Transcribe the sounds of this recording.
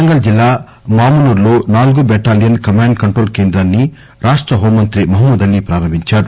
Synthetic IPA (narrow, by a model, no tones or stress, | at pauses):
ɐŋɡɐld͡ʒilːaː | maːmɐnuːɾloːnaːluɡubɛːʈaːlijɐnkɐmaːɳɖkɐɳʈɾoːlkeːnd̪ɾaːnːi | ɾaːʂʈɾɐɦoːmːɐnt̪ɾimɐɦɐmːɐd̪ɐnːipɾaːɾɐmbiɲt͡ʃaːɾu